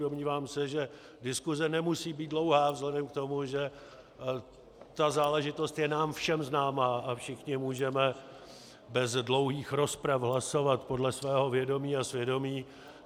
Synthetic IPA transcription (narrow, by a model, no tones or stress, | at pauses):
omɲiːvaːmsɛʒɛ | dɪskuzɛnɛmusiːbiːt̪dlo̞wɦaːvzɦlɛdɛmk̚t̪o̞muʒɛ | t̪azaːlɛʒɪt̪o̞st̪jɛnaːmfʃɛmznaːmaːʔafʃɪxɲɪmuːʒɛmɛ | bɛzdlo̞wɦiːxɾo̞spɾafɦlaso̞vat̪po̞dlɛsvɛːɦo̞vjɛdo̞miːasvjɛdo̞miː